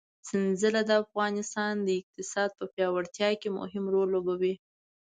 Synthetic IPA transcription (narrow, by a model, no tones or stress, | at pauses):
sɪnzəlad̪əafɣɑnɪst̪ɑnd̪əɪq̚t̪ɪsɑd̪̚pəpjɑwaɽt̪jɑkemʊ̰ɦɪmɾolːobawi